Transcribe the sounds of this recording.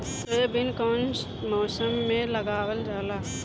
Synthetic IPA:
t̪ebɪnkoːnt͡ʃ | mɔːsəmːẽləɡaːwəld͡ʒaːlaː

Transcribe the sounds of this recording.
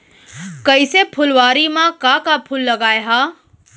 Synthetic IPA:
kəisepʰʊlʋaːɾimãkakapʰʊlːɐɡaːeɦaː

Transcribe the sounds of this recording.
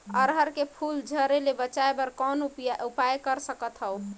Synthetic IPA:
əɾɦəɾkepʰuld͡ʒʱəɾelebət͡ʃaebəɾkɔnupaupajkəɾsəkət̪ɦəw

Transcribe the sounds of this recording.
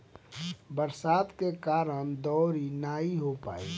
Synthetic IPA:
bəɾsaːd̪kekaːɾəñd̪ɔːɾinaːiɦopa̰ːḭ

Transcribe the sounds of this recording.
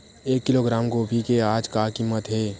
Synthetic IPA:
eːkːɪloːɡɾaːmɡobʱikeaːd͡ʒkakimːət̪ɦeː

